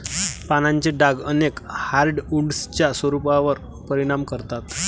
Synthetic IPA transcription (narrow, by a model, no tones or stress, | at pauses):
panaɲt͡ɕeɖaɡənekhaɾɖuɽst͡ɕjasʋəɾupaʋəɾ | pəɾiɽ̃amkəɾt̪at̪